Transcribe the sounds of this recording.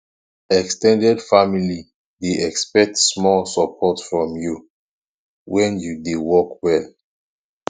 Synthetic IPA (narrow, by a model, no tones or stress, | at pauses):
ɛkstɛ̃ndɛdfamili | deʔɛkspɛk̚tsmɔlsəpʰɔtfɹɔ̃mju | wɛ̃njudewɔkwɛl